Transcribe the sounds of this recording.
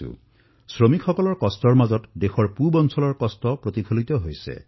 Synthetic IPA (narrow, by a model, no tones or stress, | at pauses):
ṵ | sɹomikʰɔkɔlɔɹkɔstɔɹmazɔtdexɔɹpubɔnsɔlɔɹkɔstɔpɹot̪ikʰolit̪ɔɦojsḛ